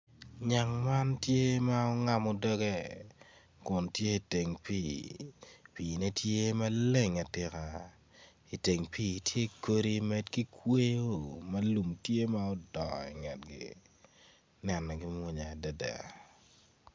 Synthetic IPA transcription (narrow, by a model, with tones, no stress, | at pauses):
ɲa˨ŋma˦ntje˦ma˦ɔ˦ŋa˨mɔ˨dɔ˦ɡe˦ | kʊ˨ntje˦i˨te˨ŋpi˦˨ | pi˨ne˦tje˦ma˦le˦ŋa˨tɪ˨ka˨ | i˨te˨ŋpiː˦˨tje˦ko˦ɾi˦mɛ˦˨dki˦kwe˦jo˦mɐ˦lu˨mtje˦ma˦ɔ˦dɔ˨ḭ˨ŋɛ˨t̚ɡḭ˨ | nɛ˨nːɔ˨ɡi˦mwo˦ɲa˨da˦da̰˨